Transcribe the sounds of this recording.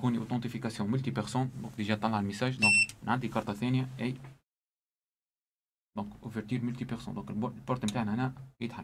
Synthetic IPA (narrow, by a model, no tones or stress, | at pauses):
kuːniʔot̪ɑ̃t̪ifikasjɔ̃mʊlt̪ipɛʁsũnd̪ɔ̃ːkd̪iʒɛt̪ˤːɑlːʕlmɪsaːʒd̪ɔ̃ːknʕad̪ikɑɾˤt̪ˤɑθɛːnjæʔæj | d̪̥ɔ̃ːkʔʊfɛɾt̪yːɾmʊlt̪ipɛʁso̰nd̪ɔ̃ːkllpɔɾˤt̪mt̪aːʕnæʔænæjət̪ħamː